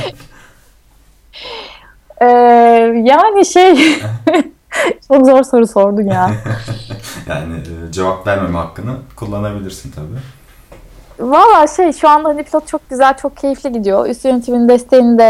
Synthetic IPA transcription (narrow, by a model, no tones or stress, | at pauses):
ɛːjaːniʃej | t͡ʃʰo̞kzo̞ɾso̞ɾuso̞ɾd̪unjaːn | ja̰ːnɪ̰ːd͡ʒevap̚væɾmemɛhakːɯnɯkʰulˠːanabilʲiɾsint̪ʰabiː | valˠːaːʃejʃuand̪aɦanipʰlʲot̪̚t͡ʃʰo̞k̚ɟyzælʲt͡ʃʰo̞k̚cʰe̞jiflʲiɟid̪ijo̰ʔy̰st̪jønet̪ʰimind̪ɛst̪ʰe̞jinid̪ɛ